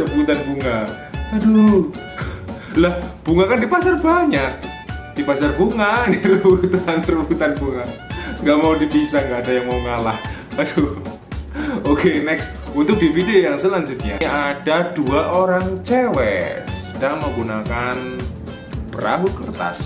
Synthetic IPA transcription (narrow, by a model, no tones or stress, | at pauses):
t̪ərbut̪anbuŋa | kadu | lahb̥uŋakandipasarbaɲaʔ̚ | d̥ipasarbuŋaniɾbut̪ant̪rəbuut̪anbuŋaŋɡaʔmaudipisahŋɡaːdajaŋmauŋalah | ado | okenɛks | unt̪ʊk̚d̥ifidejaŋsəlaɲd͡ʒʊt̪̚ɲaadaduaʔoɾaŋt͡ʃewɛ̰səd̥aŋməŋɡunakan | pəɾa̰ɦukərt̪a̰s